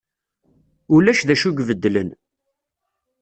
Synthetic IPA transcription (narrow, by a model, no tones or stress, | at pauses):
ʊlæʃðæʃuɡvəd̪ːlən